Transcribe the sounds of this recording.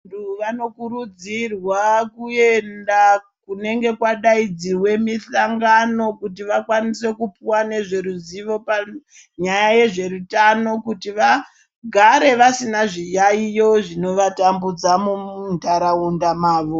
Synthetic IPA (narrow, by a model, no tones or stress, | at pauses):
ntuʋano̞kuɾud͡zirwakue̞nda | kune̞ŋɡe̞kwaɗaid͡ziwe̞misaŋɡano̞kut̬iʋakwanise̞kupiwane̞ʐe̞ɾuziʋo̞pa | ɲajaje̞ʐe̞ɾutano̞kutiʋa | ɡʱaɾe̞ʋasinaʐijaijo̞ʐino̞ʋatambud͡zamuundʱaɾaundamaːʋo